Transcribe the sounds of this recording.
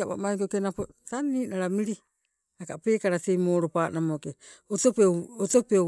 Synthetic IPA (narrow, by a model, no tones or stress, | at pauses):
apa̰maikokenapotaniːnaɾamiɾi | akapeːkaɾasejmoːɾopaːnamokeotopeotope